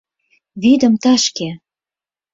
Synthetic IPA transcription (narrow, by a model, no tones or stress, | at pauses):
βid̪ə̆mt̪ɑʃke